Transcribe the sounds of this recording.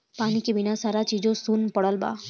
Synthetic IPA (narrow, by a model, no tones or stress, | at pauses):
paːnikebɪnasaːɾat͡ʃiːd͡ʒõsunpəɽəlba̰ː